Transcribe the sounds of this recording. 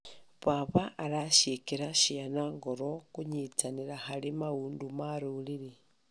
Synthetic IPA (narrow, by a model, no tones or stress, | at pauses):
βaβaʔːlaʃekiɾaʃianaŋɡoɾokuɲit͡saniɾaxalimauːndumaɾuliɾi